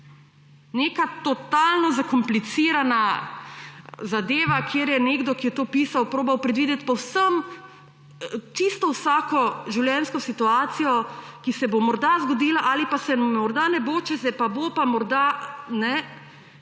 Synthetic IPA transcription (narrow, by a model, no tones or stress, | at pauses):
neːkat̪ɔt̪alnɔzakɔmplit̪siːɾana | zad̪eːʋakʰeːɾjɛneːɡd̪ɔkijɛt̪oːpiːsawpɾoːbawpɾɛd̪ʋiːd̪jɛt̪̚pɔwsəm | t͡ʃist̪ɔwsaːkɔʒiwljɛnskɔsit̪uaːt̪sijɔkisɛbomɔɾd̪azɡɔd̪iːlaʔalipasɛmɔɾd̪anɛboːt͡ʃɛsɛpabopamɔɾd̪anɛ